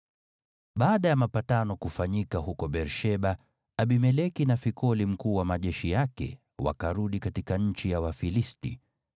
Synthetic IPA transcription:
ɓaːɗajamapatanɔkufaɲikahukɔɓɛɾʃɛɓaː | ɓimɛlɛkinafikʰɔlim̩kuːwamaʄɛʃijakɛ̰ | wa̰kaɾuɗikatikaɲ̩t͡ʃijawafilistḭ

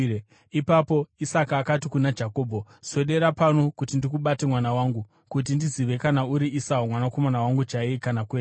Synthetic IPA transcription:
ipapo̞isakaːkatikunad͡ʒako̞ːbʱo̞ | so̞ɗe̞ɾapano̞kutindikuɓate̞mwanawaːŋɡu | kut̬indiziʋe̞kanauɾiisaomwanako̞manawaŋɡut͡ʃaikanakweː

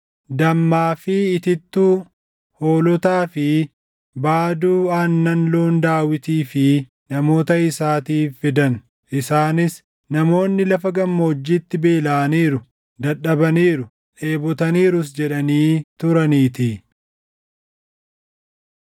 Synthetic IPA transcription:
d̪ɐmːaːfɪːt̪ɪt̪ːuː | ho̞ːlɔt̪aːfɪ | baːd̪uːaːnːɐnloːnd̪aːwɪt̪iːfɪ | nɐmo̞ːt̪ɐɪsaːt̪iːfːɪd̪ɐn | ʔɪsaːnɪs | nɐmo̞ːnːɪlɐfɐɡɐmːoːd͡ʒːiːt̪ːɪbeːlaːniːɾʊ | d̪ɐᶑɐbɐniːɾʊ | ᶑe̞ːbɔt̪ɐniːɾʊs̬d͡ʒɛᶑɐniːt̪ʊɾɐniːt̪ɪ

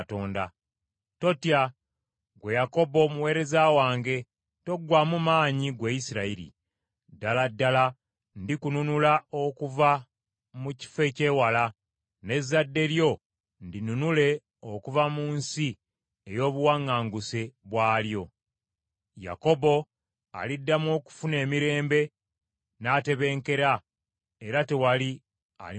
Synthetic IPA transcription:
to̞ːnda̰ | to̞tja | ɡwejako̞bo̞muwe̞ːɾe̞zawaːŋɡe̞ | to̞ɡwamumaːɲiɡweisiɾaiɾḭ | daladːala | ndikununulao̞kuva | muci̥fe̞ce̞wala | ne̞zːadːe̞ɾjo̞ | ndinunule̞ | o̞kuvamuːnsi | ejo̞ːβuwaŋːaːŋɡuse̞βwaːljo̞ | ja̰ko̞bo̞ | a̰lidːamwo̞ːku̥fune̞ːmiɾe̞ːmbe̞ | naːte̞βe̞ːŋke̞ɾa | eɾate̞wali | a̰

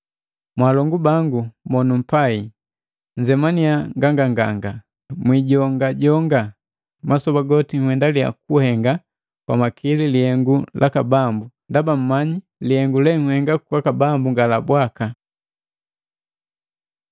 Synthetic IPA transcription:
mwalɔŋɡubaŋɡumɔnum̩pai | ɲd͡ʒɛmaniaŋɡaŋɡaŋɡaŋɡa | mwiɟɔŋɡaɟɔŋɡa | masɔbaɡɔtiŋwɛndalia̰kuhɛŋɡa | kwa̰makʰililihɛŋɡulʔakabambundabam̩ːmaɲi | lihɛŋɡulɛŋ̩hɛŋɡakwakabambuŋɡalabwaka

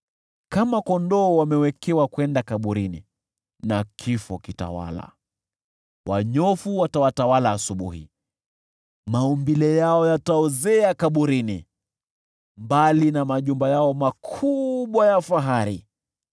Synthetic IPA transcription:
kamakɔndɔwamɛwɛkɛwakwɛndakaɓuɾinḭ | nakʰifɔkita̰wa̰la̰ | wʔaɲɔfuwatawatawalaːsuɓuhḭ | maumbilɛjaɔjataɔzɛakaɓuɾinḭ | mbalinamaʄumbajaɔmakʰuɓwajafaɦaɾi

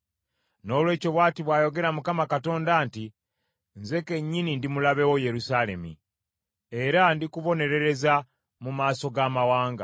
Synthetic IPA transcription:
no̞ːlwe̞ːcoβwaːtiβwaːjo̞ɡe̞ɾamukamakato̞ːndanti | nze̞ke̞ɲːinindimulaβe̞wo̞je̞ɾusale̞̰mḭ | e̞ɾandikuβo̞ne̞ɾe̞ɾe̞za | mumaːso̞ɡamawaːŋɡa̰

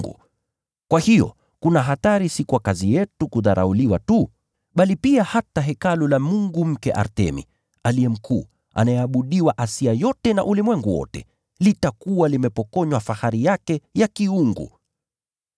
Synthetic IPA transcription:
ɡṵ | kwahijɔ̰ | kunaɦataɾisikuwakazijɛtukuðaɾʔa̰uliwatu | ɓalipiahataɦɛkalulamuŋɡum̩kɛʔa̰ɾtɛ̰mḭ | aliɛm̩kʰuː | a̰najɛaɓuɗiwaʔasiajɔtɛna̰ʔulimwɛŋɡuwɔ̰tɛ̰ | litakuwalimɛpɔkɔɲwafahaɾijakɛjakiuŋɡṵ

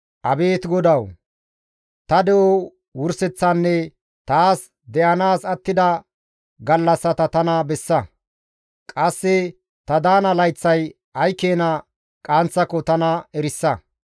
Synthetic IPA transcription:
ʔɐbe̞ːt̪ɡɔd̪ɐw | t̪ɐd̪ɛʔɔ | wʊɾsɛt͡sːɐnːɛ | t̪aːs | d̪ɛʔɐnaːsɐt̪ːɪd̪ɐ | ɡɐlːɐsːɐt̪ɐt̪ɐnɐbɛsːɐ | kʼɐsːɪ | t̪ɐd̪aːnɐlɐjt͡sːɐj | ɐjkeːnɐ | kʼaːnt͡sːɐkɔt̪ɐnɐɛɾɪsːɐ

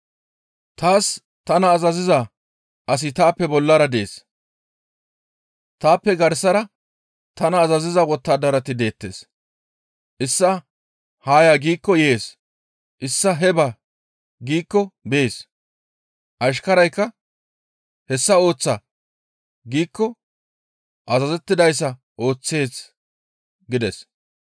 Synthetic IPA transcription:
t̪aːs | t̪ɐnɐːzɐzɪza | ʔɐs̬ɪt̪aːpːɛbɔlːɐɾɐd̪ḛːs | t̪aːpːɛɡɐɾsɐɾɐ | t̪ɐnɐːzɐzɪzawɔt̪ːaːd̪ɐɾɐt̪ɪd̪e̞ːt̪ːe̞̰ːs | ʔɪsːɐ | haːjaːɡiːkːɔje̞ːs | ʔɪsːɐɦɛbaː | ɡiːkːɔbe̞ːs | ʔɐʃ̬kɐɾɐjkːɐ | hɛsːɐo̞ːt͡sːa | ɡiːkːɔ | ʔɐzɐzɛt̪ːɪd̪ɐjs̬ːɐ | ʔo̞ːt͡sːe̞ːs | ɡɪd̪ɛs

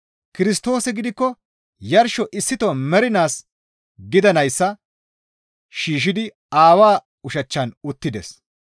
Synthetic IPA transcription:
kɪɾɪst̪o̞ːsɛɡɪd̪ɪkːɔ | jɐɾʃɔʔɪsːɪt̪ɔmɛɾɪnaːs | ɡɪd̪ɐnɐjsːɐ | ʃiːʃ̬ɪd̪ɪ | aːwaː | ʊʃɐt͡ʃːɐnʊt̪ːɪd̪ɛs

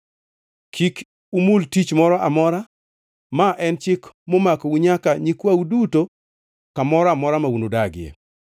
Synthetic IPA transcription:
kʰik | umultit͡ʃmɔɾɔʔamɔɾa | maʔɛnt͡ʃɪkmomakɔuɲakaɲikwawduto | kamɔɾɔamɔɾamaunodaɡɪɛ̰

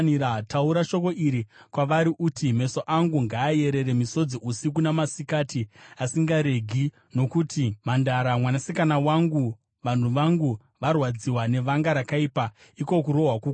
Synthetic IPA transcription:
niɾatauɾaʃo̞ko̞ʔiɾikwaʋaɾiʔutime̞soʔaŋɡuŋɡaːje̞ɾe̞ɾe̞miso̞d͡ziʔusik̬unamasikatiasiŋɡaɾe̞ɡʱi | no̞kutʰimandaɾamwanasikanawaŋɡu | ʋan̤uʋaŋɡu | ʋarwad͡ziwane̞ʋaŋɡaɾakaiːpa | iko̞kuɾo̞ɦwaku

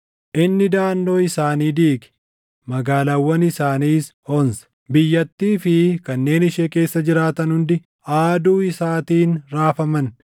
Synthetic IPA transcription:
ʔɪnːɪd̪aːnːo̞ːɪsaːniːd̪iːɡɪ̥ | mɐɡaːlɐwːɐnɪsaːniːs | ɔnsɐ̥ | bɪjːɐt̪ːiːfɪkɐnːe̞ːnɪʃeːke̞ːsːɐd͡ʒɪɾaːt̪ɐnhʊnd̪ɪ | aːd̪uːɪsaːt̪iːnɾaːfɐmɐn

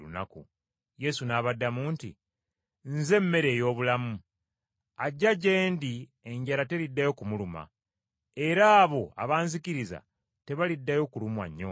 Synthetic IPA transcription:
ṵnakṵ | je̞sunaːβadːamuːntḭ | nze̞mːe̞ɾe̞ːjo̞ːβulamu | aɟːaɟe̞ːndieɲɟaɾate̞lidːajo̞kumuluma̰ | e̞ɾaːβo̞a̰βaːnzikiɾiza̰ | te̞βalidːajo̞kulumwa̰ɲːo̰

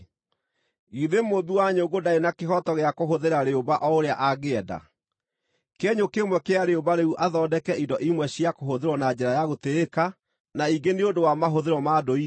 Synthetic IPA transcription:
iðemobiwaɲoɡodaenakeɦɔtɔɣeakoɦoðeɾaɾeobaʔɔoɾeaʔaɣeɛda̰ | keɛɲokemwɛkeaɾeobaɾeuʔaðɔdɛkɛindɔʔimwɛɕiakoɦoðeɾwɔnad͡ʑɛɾajaɣoteeka | naiɡeneodowamaɦoðeɾɔmadoi

